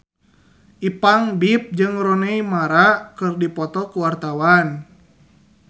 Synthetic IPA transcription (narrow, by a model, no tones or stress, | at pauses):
ʔipaŋbip̚d͡ʒɨŋrɔneimaɾakɨrdipɔt̪ɔkuwart̪awan